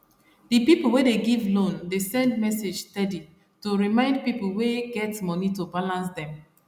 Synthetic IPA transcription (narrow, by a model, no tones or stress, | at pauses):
dipiplˠwedeɡivlõndesɛ̃ndmɛsed͡ʒstɛdi | toɹimãɪ̃nd̚pipl̩weɡɛtmɔnitobalãnsdɛ̃m